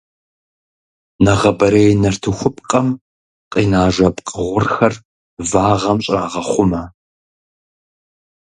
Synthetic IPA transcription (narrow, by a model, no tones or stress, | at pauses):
nɐʁɐbɐɾejnɐrtʰɨxʷʊpʼqʼɐm | qʼiːnaːʒʷɐpʼqʼəʁʷʊrxɐr | vaːʁɐmɕʼaːʁɐχʷʊmɐ